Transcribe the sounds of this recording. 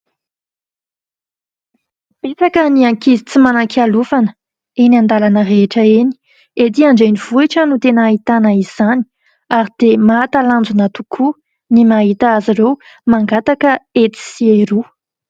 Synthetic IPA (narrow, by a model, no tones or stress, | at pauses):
pet͡sakəniaŋkizit͡simanakialufanə̥ | eniand̪alanəreʈ͡ʂəeni̥ | et̪iaɳɖ͡ʐeniv̥uiʈ͡ʂənut̪enəaɦit̪anəiz̥ani̥ | aɾid̪̥emaːt̪aland͡zunat̪ukʰu | nimaɦit̪aaziɾew | maŋɡat̪akəet̪i̥sieɾu